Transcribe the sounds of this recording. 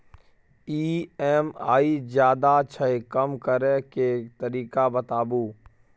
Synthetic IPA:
iːɛːmaːid͡ʒjaːd̪at͡ʃʰəekəmkəɾeket̪əɾiːkabət̪aːbuː

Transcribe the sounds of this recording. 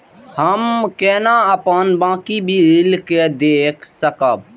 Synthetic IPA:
həmkɛːnaəpənbãːkibʱiɾɪlked̪eːkʰsəkəb

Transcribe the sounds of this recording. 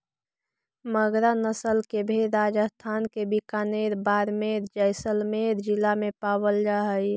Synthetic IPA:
məɡɾanəsəlkebʱiɾaːd͡ʒəst̪ʰaːnkebʱikaneɾbaːɾmeɾd͡ʒəɪsəlmeɾd͡ʒɪlamẽpaːwəld͡ʒaɦəj

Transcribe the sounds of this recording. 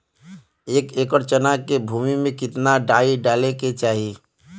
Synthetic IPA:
eːkeːkəɾt͡ʃənakebʱuːmimẽkɪt̪naɖaːiɖaːleket͡ʃaːɦi

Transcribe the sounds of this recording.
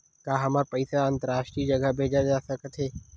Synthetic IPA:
kaːɦɐmaːɾpəɪsaɐ̃nt̪əɾaːʃʈɾiːd͡ʒɐɡabʱeːd͡ʒad͡ʒaːsəkət̪ʰɦeː

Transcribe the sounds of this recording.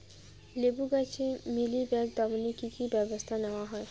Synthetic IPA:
lebuɡat͡ʃʰemilibɛk̚d̪ɔmnikikibɛbɔst̪ʰanɛwaɦɔe

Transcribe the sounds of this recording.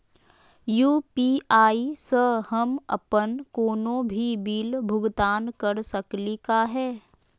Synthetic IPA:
juːpiːʔaːisəhəmə̰pənkoːnõbʱibiːlbʱʊɡt̪aːnkəɾsəklikaɦɛː

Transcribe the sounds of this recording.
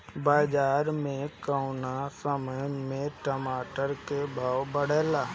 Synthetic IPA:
baːd͡ʒaːɾmẽkaʊnasəməjmẽʈəmaːʈəɾkebʱaːwbəɽ̤ɛːlaː

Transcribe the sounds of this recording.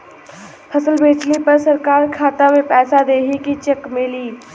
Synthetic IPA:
pʰɐsəlbeːt͡ʃlipɐɾsɐɾkaːɾkʰaːt̪amepɛːsad̪eːɦikit͡ʃekmɪliː

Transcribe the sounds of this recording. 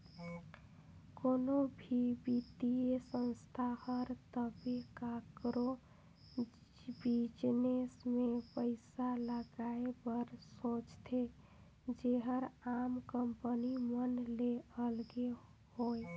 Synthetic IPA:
konobʱibit̪iesə̃nst̪ʰahəɾt̪əbekakɾo | bid͡ʒnesmepəɪsaləɡaebəɾsõt͡ʃt̪ʰe | d͡ʒeɦəɾamkəmpənimənleəlɡe | hoj

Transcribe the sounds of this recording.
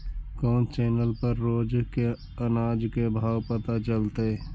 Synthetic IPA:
kɔːnt͡ʃɛːnəlpəɾːoːd͡ʒke | ənaːd͡ʒkebʱaːwpət̪at͡ʃəlt̪e

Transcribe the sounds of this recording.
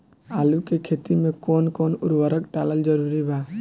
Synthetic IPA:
alukekʰet̪imẽkoːnkoːnʊɾwəɾəkʈaləld͡ʒəɾuɾibaː

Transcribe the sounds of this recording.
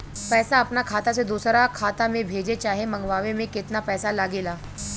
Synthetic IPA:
pɛːsaəpnakʰaːt̪ased̪uːsɾakʰaːt̪amẽbʱeːd͡ʒet͡ʃaːɦeməŋɡʋaːʋemẽkɪt̪napɛːsalaːɡeːlaː

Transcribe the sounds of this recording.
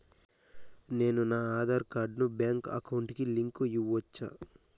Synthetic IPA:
ne̞ːnunaːaːd̪aːɾkaːɾɖnubjaːŋkɐ̰kɐwɳʈkiliŋkujiʋːɔt͡ʃːa̰ː

